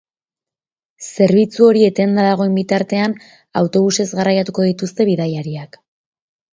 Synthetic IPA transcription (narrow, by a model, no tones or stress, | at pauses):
se̞ɾβit͡suo̞ɾie̞t̪e̞nd̪aðaɣ̞o̞embit̪aɾt̪e̞an | awt̪o̞β̞use̞zɣarajat̪uko̞ðit̪ust̪e̞βiðajaɾiak